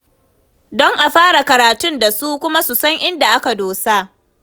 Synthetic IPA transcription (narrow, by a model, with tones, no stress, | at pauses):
dɔ˦ŋʔa˨ɸaː˦ɽa˨kɐ˨ɾaː˨tʊ˦nda˨su˦kʷʊ˦ma˦su˨sɐ˦ŋʔɪ˦nda˨ʔa˦ka˨doː˨sa˦ʔ